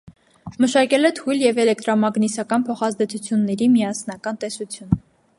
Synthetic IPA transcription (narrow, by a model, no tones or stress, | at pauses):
məʃɑkɛlɛt̪ʰujljɛvɛlɛk̚t̪ɾɔmɑɡnisɑkɑnpʰɔχɑzd̪ɛt͡sʰut͡sʰjunːɛɾimiɑsnɑkɑnt̪ɛsut͡sʰjun